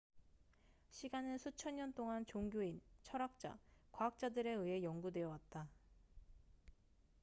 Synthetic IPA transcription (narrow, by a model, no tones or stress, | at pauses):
ɕʰiɡanɯnsʰut͡ɕʰʌɲɲʌnt͈oŋant͡ɕoŋɡjoint͡ɕʰʌɾak̚t͡ɕ͈a̰kwaɦak̚t͡ɕ͈adɯɾe̞ɯe̞jʌŋɡudwe̞jʌwat̚t͈a